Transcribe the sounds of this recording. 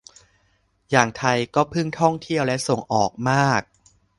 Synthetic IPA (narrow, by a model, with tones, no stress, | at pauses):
jaː˨˩ŋt̪ʰa˧jkɔː˥˩pʰɯ˥˩ŋt̪ʰɔ˥˩ŋt̪ʰi˥˩əwlɛ˦˥ʔso˨˩ŋʔɔː˨˩k̚maː˥˩k̚